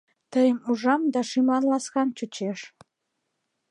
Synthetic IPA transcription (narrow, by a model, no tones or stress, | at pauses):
t̪əjəmuʒɑmd̪ɑʃimlɑnlɑskɑnt͡ɕut͡ɕeʃ